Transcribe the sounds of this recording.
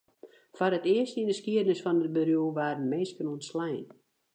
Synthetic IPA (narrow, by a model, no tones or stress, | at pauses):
faɾətɪəstindəskiədnəsfɔnət̚bərjuʋaːrnmeːskənunslɛjn